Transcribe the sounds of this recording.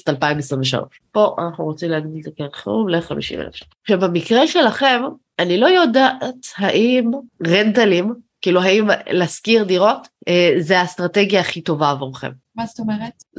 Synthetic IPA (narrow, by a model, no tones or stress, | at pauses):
talpaimesʁĩnveʃa̰lo̰ʃpo̞ʔa̰naχnuʁot͡simleaɡdilzakeʁχeumleχa̰mḭʃḭmḛḛfʃa | ʃavamikʁeʃe̞laχe̞m | anilo̞jo̞daʔathaʔimʁentalimkiːluɦaimlɛskiʁdiʁo̞tezeast̪ʁateɡjaːχito̞vaːvoʁχḛm | mast̪omeʁet